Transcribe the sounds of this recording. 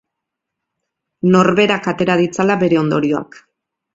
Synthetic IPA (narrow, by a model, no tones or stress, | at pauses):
no̞ɾβe̞ɾakat̪e̞ɾað̞it͡salaβe̞ɾe̞o̞nd̪o̞ɾio̞a̰k